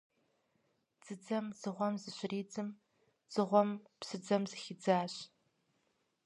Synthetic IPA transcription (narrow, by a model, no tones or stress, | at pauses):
d͡z̥ɨd͡zɐmz̥ɨʁʷɔmzɨɕɪriːd͡zɨm | z̥ɨʁʷɔmpsɨd͡zɐmzɨxid͡zaːɕ